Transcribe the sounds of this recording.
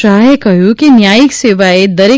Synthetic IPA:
aːɦekɐɦjukinjaːjɪkseːʋaed̪ɐɾe

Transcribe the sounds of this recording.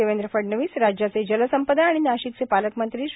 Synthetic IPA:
eʋend̪ɾəfəɖnəʋiːsɾad͡ʑjat͡sed͡ʑələsəmpəd̪aːɽ̃inaɕik̚t͡sepaləkmənt̪ɾiːɕ

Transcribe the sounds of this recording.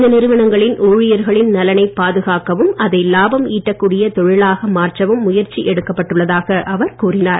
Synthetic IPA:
ɐnɪɾɯʋɐɳɐŋɡɐɭɪnʔoːɻɪjɐɾɣɐɭɪnnɐlɐnɐɪpːaːðɯɣaːkɐʋɯmɐðɐɪlaːbɐmiːʈːɐkːuːɽɪjɐt̪ɔɻɪlaːɣɐmaːrt͡ʃɐʋɯmːʊjɐɾt͡ʃiʔɛɽɯkːɐpːɐʈːɯɭːɐðaːɣɐʔɐʋɐɾkuːrɪnaːɾ

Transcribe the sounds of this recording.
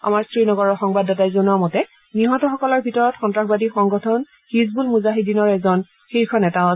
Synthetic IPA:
a̰maɹsɹinɔɡɔɹɔɹxɔŋbadːɛtajzonuamɔtɛ | niɦɔtɔxɔkɔlɔɹbʱitɔɹɔtxɔntɹaxbadixɔŋɡɔtʰɔn | xizbulmuzaɦidinɔɹɛzɔn | xiɹkʰɔnɛtaɔ

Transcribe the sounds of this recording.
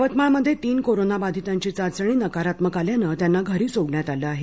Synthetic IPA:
ʋət̪maɳməd̪ʱːjet̪iːnkoɾonabad̪ʱit̪aɲt͡ɕiːt͡sat͡səɳ̃iːnəkaɾat̪məkaljanət̪janːaɡʱəɾiːt͡soɡɳjat̪aləaɦe

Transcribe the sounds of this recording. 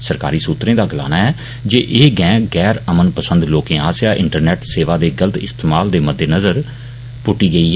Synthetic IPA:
səɾka̰ːɾiːsuːt̪ɾẽːd̪aːɡəla̰ːnaːɛː | d͡ʒeːʔeːɡɛ̃ːɡɛːɾəmənpəsə̃nd̪loːkẽːaːsjaːʔɪ̰̃ɳʈəɾnɛːʈseːʋaːd̪eːɡələt̪ɪ̰st̪eːmaːld̪eːməd̪ːeːnəzəɾ | pʊʈːiːɡəiː

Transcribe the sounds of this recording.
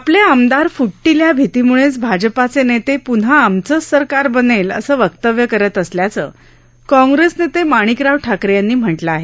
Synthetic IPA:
apljaamd̪aɾfuʈːiljabʱit̪imuɭet͡sbʱad͡ʑpat͡senet̪epunɦaːmt͡səsəɾkaɾbənelə̰səːʋəkt̪əʋjəkəɾət̪əsljat͡sə̰ː | kɔ̃ŋɡɾesnet̪emaɽ̃ikɾaʋʈʰakɾjanːiːm̤əʈləaɦe

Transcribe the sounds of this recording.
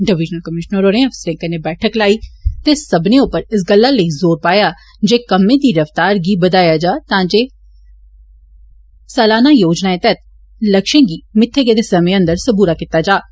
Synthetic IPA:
ɖɪʋɪd͡ʒnəlkəmɪʃnəɾoːɾẽːəfsəɾẽːkəneːbɛːʈʰəklaːiːt̪eːsəbnẽːʊpːəɾɪs̬ɡəlːaːləiːzoːɾpaːjaː | d͡ʒeːkəmːẽːd̪iːɾəft̪aːɾɡiːbəd̪aːjaːd͡ʒaːt̪ãːd͡ʒeː | sɛːlaːnaːjoːd͡ʒnaːẽːt̪ɛt̪ | ləkʃẽːɡiːmɪt̪ʰːeːɡeːd̪eːsəmẽːə̃nd̪əɾsəbuːɾaːkɪt̪ːaːd͡ʒaː

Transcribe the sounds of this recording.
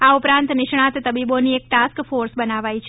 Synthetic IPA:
aupɾãnt̪nɪʃɳ̃at̪t̪ːəbiboniek̚ʈaskfoɾsbənaʋajt͡ʃʰe

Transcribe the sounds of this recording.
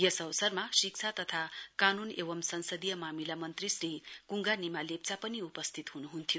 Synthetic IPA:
jesʌwsʌrmasik̚t͡sʰat̪ʌt̪ʰakanuneʋʌmsʌnsʌd̪ijʌmamilamʌnt̪risrikuŋɡanimalep̚t͡sapʌniupʌst̪ʰit̪ɦunuɦunt̪ʰijo

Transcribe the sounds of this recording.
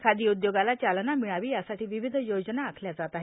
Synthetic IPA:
kʰad̪iːud̪joɡalat͡ɕalnamiɭaʋiːjasaʈiːʋiʋid̪ʱjod͡zənaːkʰljad͡zat̪aɦe

